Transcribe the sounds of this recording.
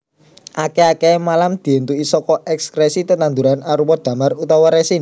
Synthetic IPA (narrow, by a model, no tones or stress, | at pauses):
ʔakeakemalamd̪̥i̤ɛnt̪uisɔkɔʔɛkskɾesit̪ənt̪and̪uɾanaɾuwɔd̪̥ä̤marut̪ɔwɔɾesin